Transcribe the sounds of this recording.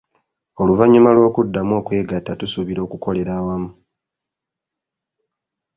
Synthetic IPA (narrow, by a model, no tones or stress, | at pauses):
o̞luvaɲumalwo̞ːkudːamo̞ːkwe̞ːɡatːatusuβiɾo̞ːkuko̞le̞ɾaːwamu